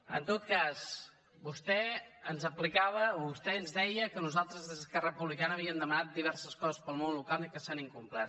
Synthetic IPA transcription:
ə̰nt̪ot̪̚kaz | bust̪ɛənzəplikaβ̞əoβust̪ɛənzðɛjəkənuzalˠt̪ɾəzðəzəskɛrəəpuβlikanəːβiəmd̪əmənat̪̚d̪iβ̞ɛrsəskɔzəspəlˠmonlukalˠikəsaniŋkumplat̪

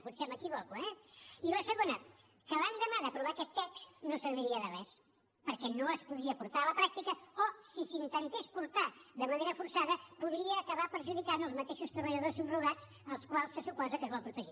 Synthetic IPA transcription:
put̪sɛməkiβɔkuɛiləsəɣonə | kəβand̪əmaðəpɾuβaːkɛt̪ːɛksnosəɾβiɾiəðərɛs | pəɾkɛnoəspuðɾiəpuɾt̪aələpɾak̚t̪ikəosisint̪ənt̪espuɾt̪aðəməneɾəfuɾsaðəpuðɾiəːkəβapəɾʒuðikanəlˠzmət̪eʃust̪ɾəβəʎəðosimruɣaz | əlˠskwalˠsːəsupɔzəkəzβɔlˠpɾut̪əʒi

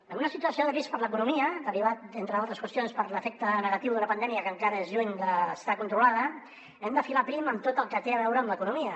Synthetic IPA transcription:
ənunəsit̪uəsioðəβispəɾləkunumiəd̪əriβat̪̚ent̪ɾəðalˠt̪ɾəskwəst̪jonspəɾləfɛk̚t̪ənəɣət̪iwðunəpənd̪ɛmiəkəŋkaɾəezʎuɲd̪əːst̪akunt̪ɾulaðə | ɛmd̪əfilapɾiməmt̪ot̪əlˠkət̪eəβɛwɾəːmləkunumiə

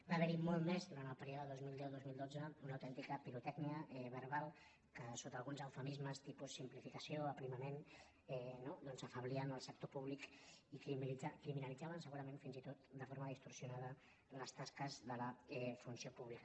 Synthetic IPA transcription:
baːβəɾimɔlˠt̪mezd̪uɾant̪əlˠpəɾioðəəðozmilˠd̪ɛwðozmilˠd̪od͡zəunəwt̪ɛnt̪ikəpiɾut̪ɛkniəɛβəɾβalˠ | kəsot̪əlˠɣunzəwfəmizməst̪ipusːimplifikəsioəpɾiməmen | ɛnod̪ɔnzəfəβliənəlˠsək̚t̪opuβlikikiakɾiminəlid͡zaβənsəɣuɾəmẽnfinzit̪ot̪d̪əfoɾməðist̪uɾsjunaðə | ləst̪askəzðələɛfunsiopuβlikə

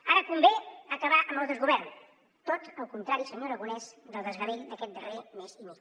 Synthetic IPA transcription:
aɾəkumbeəkəβaʔəmbəlˠðəzɣuβɛrn | t̪ot̪əlˠkunt̪ɾaɾisəɲoɾəɣunɛzd̪əlˠd̪əzɣəɾeʎd̪əkɛt̪̚d̪əremezime

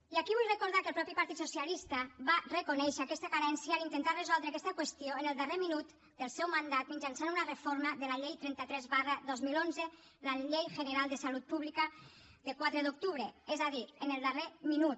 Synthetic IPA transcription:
iakiβujrekoɾð̞akəlˠpɾɔpipaɾt̪it̪susialist̪aβarekonɛʃeakɛst̪akaɾɛnsjaːint̪ent̪arezɔlˠd̪ɾeakɛst̪əkwest̪ioenəlˠd̪əreminut̪ | d̪̥əlˠsɛwmand̪at̪miɲd͡ʒansanunarefoɾməðəlaʎejt̪ɾɛnt̪at̪ɾɛzβaraðɔzmilonzə | laʎejʒəneɾalˠd̪əsalut̪̚puβlikə | d̪əkwat̪ɾeðuk̚t̪uβɾeɛzaðienelˠd̪əreminut̪

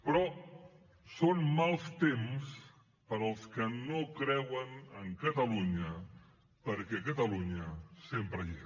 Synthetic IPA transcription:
pɾɔ | sonmalˠst̪ems | pəɾəlˠskənokɾɛwənəŋkət̪əluɲə | pəɾkɛkət̪əluɲəsempɾəje

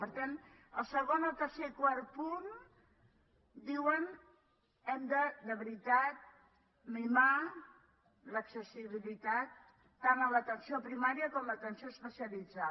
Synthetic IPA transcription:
pəɾt̪an | əlˠsəɣonəlˠt̪ərseikwaɾ̚pun | d̪iwən | ɛmd̪əd̪əβɾit̪at̪̚ | mima | ləksəsiβ̞ilit̪at̪ː | anəmlət̪ənsiopɾimaɾiəkɔmlət̪ənsioəspəsiəlid͡za

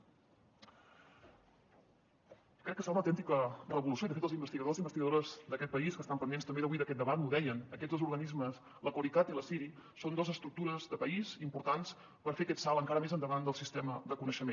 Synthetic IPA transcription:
kɾɛkːəsalnəwt̪ɛnt̪ikərəβulusjoiðəfet̪əlˠzimbəst̪iɣəðoszimbəst̪iɣəðoɾəzd̪əkɛt̪̚pəiskəst̪ampənd̪enst̪əmbeðəβuiðəkɛt̪̚d̪əβat̪uðɛjənəkɛzðozuɾɣənizməs | ləkwəlit̪at̪iləsiɾisond̪ozəst̪ɾuk̚t̪uɾəzðəpəizimpuɾt̪ans | pəɾfeəkɛt̪salˠəŋkaɾəmezənd̪əβand̪əlˠsist̪ɛməðəkunəʃəmen

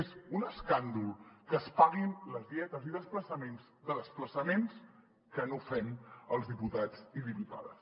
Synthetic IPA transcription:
ezunəskand̪ulˠkəspaɣinləzðiɛt̪əziðəspləsəmenzðəðəspləsəmens | kənofɛməlˠzðiput̪ad͡ziðiput̪a̰ðə̰s

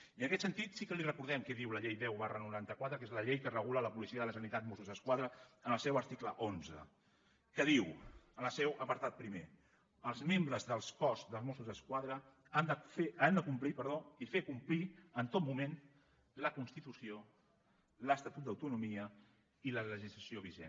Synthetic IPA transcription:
iənəkɛt̪sənt̪it̪sikəlirəkuɾðɛmkɛðiwləʎejðɛwβarənuɾant̪əkwat̪ɾəkezləʎejkərəɣulələpulisiəðələsənit̪at̪mosuzðəskwaðɾəənəlˠsɛwəɾt̪ikləʔonzə̰ | kəðiwənəsɛwʔəpəɾt̪at̪̚pɾime | əlˠzmembɾəzðəlˠskɔzðəlˠmosuzðəskwaðɾə | and̪əfeand̪əkumplipəɾðoifekumpliənt̪ot̪mumẽn | ləkunst̪it̪usio | ləst̪at̪ut̪̚d̪əwt̪unumiə | ilələʒizləsioβ̞iʒḛn

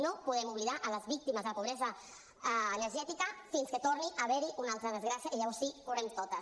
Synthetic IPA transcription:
nopuðɛmuβliðaʔələzβik̚t̪iməzðələpuβ̞ɾɛzəː | nəɾʒɛt̪ikəfinskət̪orniʔəβɛɾiʔunalˠt̪ɾəðəzɣɾasjəʔiʎəβɔɾsikurɛmt̪ot̪əs

